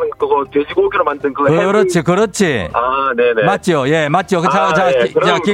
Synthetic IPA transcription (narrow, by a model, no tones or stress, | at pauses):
nɯkɯɡotwed͡ʑiɡoɡiɾomandɯnkɯɡkɯɾʌt͡ɕʰikɯɾʌt͡ɕʰiane̞nemat͡ɕ͈oje̞mat̚t͡ɕ͈iokɯt͡ɕat͡ɕaɯai